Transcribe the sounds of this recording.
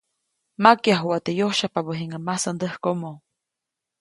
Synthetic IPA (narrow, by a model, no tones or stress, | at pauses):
makjaɦwat̪ejohʃapabəɦiŋəmasand̪əhkomo